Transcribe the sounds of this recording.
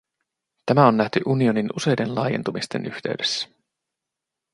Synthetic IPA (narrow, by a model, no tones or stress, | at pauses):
t̪æmæo̞nːæht̪yʔunio̞ninuse̞jde̞nlɑ̰ːjent̪umist̪e̞̰nyçt̪e̞yɥde̥sːæ̥